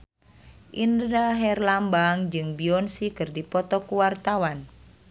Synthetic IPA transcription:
ʔinddaɦɛrlambaŋd͡ʒɨŋbiɔnsikɨrdipɔt̪ɔkuwart̪awan

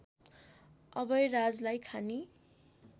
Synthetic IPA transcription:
ʌbʌjrad͡zlajkʰani

